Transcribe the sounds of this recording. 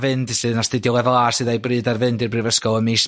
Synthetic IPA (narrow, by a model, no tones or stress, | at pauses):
vɨndsɨðnastɪdjɔwɛðlˠasɨːðajbrɨːdarvɨndirbrɨvəskɔəmiːs